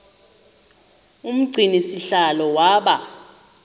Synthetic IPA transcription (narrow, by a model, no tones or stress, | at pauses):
um̩ɡ͡ǀʱinisiɬalɔwaːɓa